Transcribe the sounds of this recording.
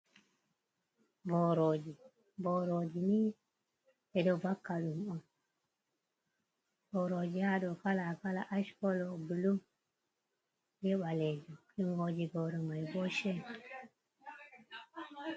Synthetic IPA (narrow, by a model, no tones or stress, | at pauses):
boɾod͡ʒi | boɾod͡ʒini | ɛdɔbakːaɗumɔ | b̥oɾod͡ʒihaɗɔkalakalaʔaʃkɔlɔbulum | jɛɓaled͡ʒuɗumɡod͡ʒiɡoɾɔmajbɔʃɛ